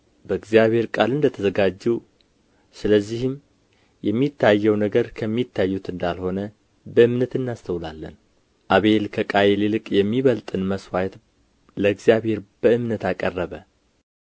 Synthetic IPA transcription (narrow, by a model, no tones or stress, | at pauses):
bəɨɡzijaβhe̞ɾkʼalɨnd̪ət̪ʰəzəɡad͡ʒːɛw | sɨləzːihɨm | jɛmːit̪ʰːajːɛwnəɡəɾkʰəmːit̪ʰːajːut̪ɨnd̪alho̞nə | bəɨmnət̪ɨnːast̪ʰəwlalːən | ʔaβe̞lkʰəkʼajelilɨkʼjɛmːiβəlt̪ʼɨnməswajt̪ | ləɡzijaβhe̞ɾb̥əɨmnət̪akʼərːəβə